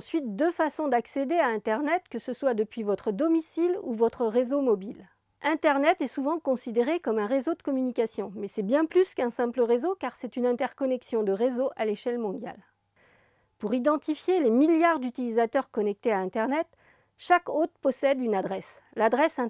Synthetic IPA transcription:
sɥit̪̚d̪øfasɔ̃d̪aksed̪eaɛ̃t̪ɛʁnɛt̪kəsəswad̪əpɥivɔt̪χəd̪ɔmisilṵvɔt̪χəʁezomɔbil | ʔɛ̃t̪ɛʁnɛt̪ɛsuvɑ̃kɔ̃sid̪eʁekɔmɛ̃ʁezod̪əkɔmynikʲasjɔ̃mɛsɛbjɛ̃plyskɛ̃sɛ̃pləʁezokaʁsɛt̪ynɛ̃t̪ɛʁkɔnɛksjɔ̃d̪əʁezoʔaleʃɛlmɔ̃d̪ja̰l | puʁid̪ɑ̃t̪ifjelemiljaʁd̪yt̪ilizat̪œʁkɔnɛk̚t̪eaɛ̃t̪ɛʁnɛt̪ | ʃakot̪χpɔsɛd̪ynad̪ʁɛs | lad̪ʁɛsɛ̃

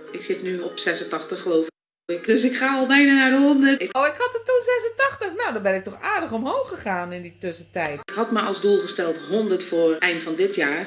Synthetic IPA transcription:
ɪksɪtnyɔpsɛsəntɑxtəxːəloːfɪ | ɪkdøsɪkχaːɔlˠbɛjnaːnadəhɔndərtɪkoːɪkhɔtətunzɛsətɑxtəxnawdɔːbɪnɪk̚tɔxaːdəxɔmɦoːxəxaːnɪnditøsətɛjtkhɑtməʔɔlˠsdulˠɣəstɛlˠthɔndərtfoːrʔɛjntfɔndɪtjaː

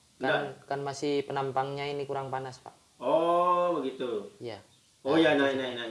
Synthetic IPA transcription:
aankanmasɪhpənampaŋɲainikuɾaŋpanaspa̰ʔ | obəɡit̪uija | ojanainaina

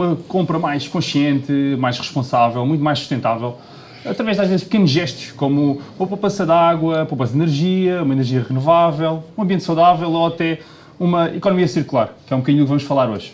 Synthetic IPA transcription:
umɐkõmpɾɐmajʃkõʃiẽnt̪ɨmajʃʁɨʃpõsavɛlˠmũj̃t̪majʃsu̥ʃt̪ẽnt̪avɛlˠ | ɐt̪ɾɐvɛʒd̪aʒvezʃp̚kenuʒɛʃt̪u̥ʃkomuɐpɐpɐsɐðaɣwɐpopɐsd̪inɨɾʒiɐumɐinɨɾʒiɐʁɨnuvavɛlˠũɐ̃mbiẽnt̪sɐwðavɛlˠoɐt̪ɛ | umɐikɔnumiɐsiɾkulˠaɾkɛũp̚kɐðiɲuðukvɐmuʃfɐlˠaɾoʒ̥

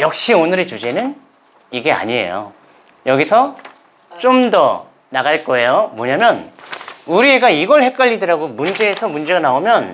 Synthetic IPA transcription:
jʌk̚ɕ͈ionɯɾet͡ɕud͡ʑe̞nɯn | iɡe̞a̰ɲiḛjo̰ | jʌɡisʰʌ | t͡ɕ͈omdʌ | naɡaɭk͈ʌe̞jomwʌɲamjʌn | uɾie̞ɡaiɡʌɭhe̞k͈ʌʎːidɯɾaɡomund͡ʑe̞ːsʰʌmund͡ʑe̞ɡanaomjʌn

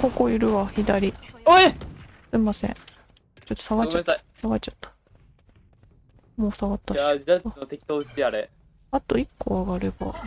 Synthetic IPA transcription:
hokoiɾɯ̟βaçid̪aɾʲi | sɨmːasḛ̃ | t͡ɕot̪ːosaɡat͡ɕaasaɡat͡ɕat̪ːḁ | moːsaɡat̪ːaaanot̪e̞kʲi̥t̪oːɯ̟t͡ɕiaɾe | at̪o̞ikːoaɡaɾe̞ba̰

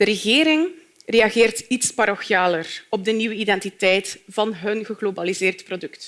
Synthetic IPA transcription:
d̥əɾəɣeːɾɪŋ | rejɑɣeːrtitspaɾoxjaːlərɔb̚dəniwəidɛntitɛjtv̥ɑnɦənɣəɣlobalizɪːrtprodɵkt

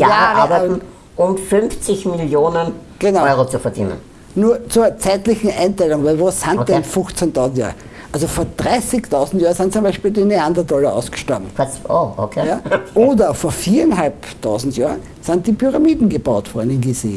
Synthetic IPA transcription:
jaaʁən̩ | ʔʊmfʏnft͡sɪçmɪljoːnənɡ̥enaɔɪʁot͡sufɐdḭːnə̰n | nuːɐt͡suːɐt͡sæɪtlɪçn̩ʔãɪntɛlʊŋvæɪlvosːãnkd̥ɛnfʊxt͡sɛntʰɑʊzn̩tja̰ːʁə | ʔazofoːɐd̥ʁaɪsɪktʰɑʊzn̩tjaːnsɪnt͡sʊmbæɪʃpiːldineandɐdɔlɐʔɑ̰ʊsɡ̥ə̥ʃtabm̩kʰaʔoʔo̰kʰejaʔoːdɐfoːɐfiːɐɛnɦalptʰaʊzn̩tjaːn | santd̥iːpʰyʁamiːdn̩ɡəbaʊtv̥ɔɐdn̩ɪnɡezḛː

